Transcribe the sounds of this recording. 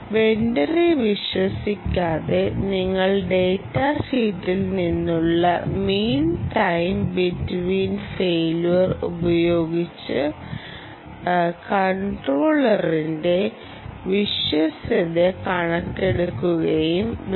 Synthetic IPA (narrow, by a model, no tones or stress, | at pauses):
be̞nɖɐriʋiɕwɐsikʲːaːðe̞niŋːɐɭɖe̞ːtːahiːt̪ːilninːuɭːɐ̰miːntɐjmbitʋiːnfeːluʋɐrubɐjo̞ːɡit͡ɕːɨ | kɐɳʈroːɭɐrinde̞ | ʋiɕwɐsɐðekɐɳɐkʈːeɽukːuɣɐjum